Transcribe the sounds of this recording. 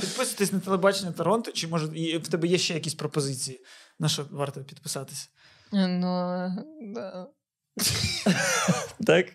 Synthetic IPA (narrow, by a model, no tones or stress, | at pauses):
pʲid̪̚pɪsɐʋɐt̪ɪsʲnɐt̪elˠebɑt͡ʃenʲɐt̪ɐɾɔnt̪ʊt͡ʃɪmɔʒɐjiwt̪ɛbɛjɛʃt͡ʃɛjɐkʲisʲpɾɔpɔzɪt͡sʲijinɐʃɔʋɑrt̪ɔpʲid̪pɪ̥sɑt̪ɪ̥sʲɐ̥ | nu | d̪a | t̪ɑk